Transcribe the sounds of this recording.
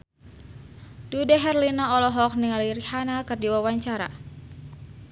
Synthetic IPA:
dudaɦɛrlinaɔlɔɦɔk̚niŋaliɾihanakɨrdiwawaɲt͡ʃaɾa̰

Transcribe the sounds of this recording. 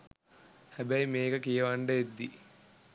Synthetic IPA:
hɐbɐjmeːɡɐkijɐʋɐɳɖɐed̪ːi

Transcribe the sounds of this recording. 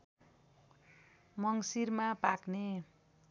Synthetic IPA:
mʌŋsirmapakne

